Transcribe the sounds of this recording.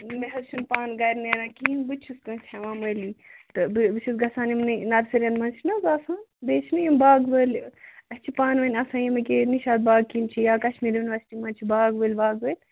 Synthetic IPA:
meɦɐzt͡ʃʰunpaːnɡɐɾʲnenãːkinbɨt͡ʃʰuskɐ̃ːt͡ʃʰɐʋãːmɐːliːt̪ɨbɨbsʰisɡɐsaːnimnɨnɐɾsiɾʲɐnmɐnt͡ʃʰinɐzaːsãːnbeːt͡ʃʰnɨjimbaːɡʋəːlʲɐst͡ʃʰipaːnʋɐnʲɐsãːjimɐkeniʃaːd̪̚baːɡ̚kint͡ʃʰijaːkɐʃmilʲʋɐnʲʋɐsʈimɐ̃ːnt͡ʃʰibaːɡʋəlʲbaːɡʋəːlʲ

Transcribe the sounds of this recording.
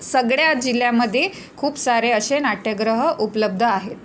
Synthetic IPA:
səɡɭjad͡ʑiljamːəd̪ʱːje | kʰuːpsaɾeəɕenaʈʰjəɡɾəɦəʔupələb̚d̪ʱəaɦet̪̚

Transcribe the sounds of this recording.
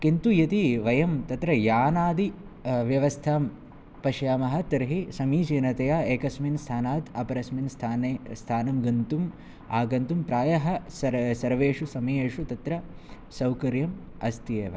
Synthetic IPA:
kint̪ujɐt̪iʋɐjɐmt̪ɐt̪ɾɐjaːnaːd̪i | ʋjɐʋɐst̪ʰaːm | pɐʃjaːmɐɦɐ̆t̪ɐɾɦisɐmiːt͡ʃiːnɐt̪ɐjaːeːkɐsminst̪ʰaːnaːt̪ɐpɐɾɐsminst̪ʰaːneːst̪ʰaːnɐmɡɐnt̪um | aːɡɐnt̪umpɾaːjɐɦɐsɐsɐɾʋeːʂusɐmɐjeːʂut̪ɐt̪ɾɐ | sɐwkɐɾjɐm | ɐst̪ijeːʋɐ̰

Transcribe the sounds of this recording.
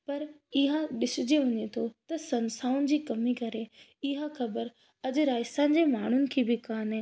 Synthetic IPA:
pɐɾɪɦãɗɪsʊd͡ʑeʋɐɲet̪ʰot̪ɐsɐ̃nsaːʊnɪ̆d͡ʑiːkɐmikɐɾe | ɪɦãxɐbəɾ | ɐd͡ʑʊɾaːɪsã̆ːd͡ʑeːmaːɳ̤ʊnɪ̆kʰiːbɪkaːnɪ

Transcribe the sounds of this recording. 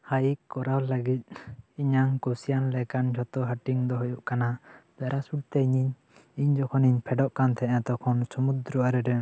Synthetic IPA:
hajikːɔɾawləɡit̪̚iɲaŋkɔsijanlɛkand͡ʒʱɔt̪ɔɦaʈiŋd̪ɔɦɔjuʔkanab̥ɛɾʔasuɽ̚t̪ɛiɲiɲ | iɲd͡ʒɔkʰɔniɲpʰɛɖɔʔkant̪ʰɛʔɛ̃t̪ɔkʰɔnsɔmud̪ɾɔaɾɛɾɛ

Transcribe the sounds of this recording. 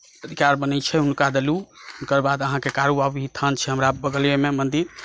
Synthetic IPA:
əd̪ʱikaɾbənɛt͡ʃʰɛɦunkad̪eluunkəɾbad̪əɦãkekaɾuabɦit̪ʰənt͡ʃʰɛɦəmɾabəɡəljememənd̪iɾ

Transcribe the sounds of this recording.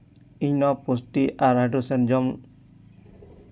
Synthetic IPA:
iɲnɔposʈiʔaɾaʈusɛnd͡ʒɔm

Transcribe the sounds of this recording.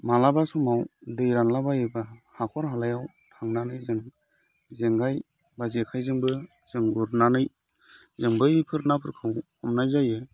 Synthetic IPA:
malabasɔmawdɯjɾanlabajɯbahakʰɔɾɦalajaw | tʰaŋnanɯjzɯŋ | zeŋɡaj | bazekʰajzɯŋbɯz̥ɯŋbuɾnanɯj | zɯŋbɯjipʰɯɾnapʰɯɾkʰɯw | ɔmnajzajɯ

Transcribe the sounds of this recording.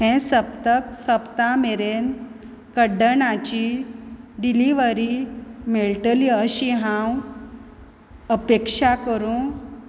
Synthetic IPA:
ɦɛ̃səpt̪əksəpt̪ameɾen | kəɖəɳãt͡ɕi | ɖiliʋəɾimeɭʈəliəɕiɦãw | əpekʂakəɾũ

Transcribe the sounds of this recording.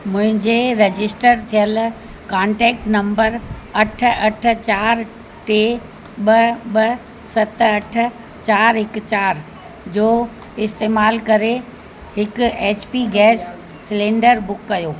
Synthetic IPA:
mʊ̃ɦɪ̃ɲd͡ʑeɾed͡ʑɪsʈəɾt̪ʰijəl | kãːɳʈɛːk̚ʈnɐ̃mbəɾɐʈ̆ʰɐʈ̆ʰt͡ɕaːɾ | ʈeː | ɓɐɓɐ | sɐt̪ɐʈ̆ʰ | t͡ɕaːɾɦɪkt͡ɕaːɾ | d͡ʑoː | ɪst̪eːmaːlkɐɾe | hɪkʊeːt͡ɕpiɡɛːsː | ɪlẽːɳɖəɾbʊkːɐjoː

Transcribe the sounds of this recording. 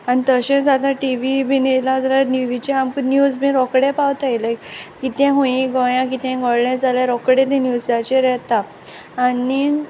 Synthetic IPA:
anit̪əɕẽsad̪ãʈiʋibinelat̪alaniʋit͡ɕeamkənjud͡zmĩɾɔkɽepawt̪ajləkit̪ɛ̃ɦõĩɡɔ̃jãkit̪ɛ̃ɡɔɽɳẽd͡zʱaljaɾɔkɽẽt̪ẽnjud͡zat͡ɕeɾɛt̪aː | ni

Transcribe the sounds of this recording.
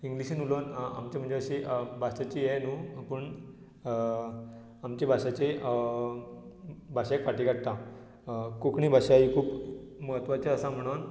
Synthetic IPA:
iŋɡliɕinulona̰mt͡ɕem̤əɳd͡zeəɕeʔbʱasat͡ɕijɛnuːpəɳ | amt͡ɕebʱaɕat͡ɕe | bʱaɕaekʋaʈikaɽt̪ã | kokɳiːbʱaɕaikʰuːpməɦət̪ʋat͡ɕaəsam̤əɽ̃on

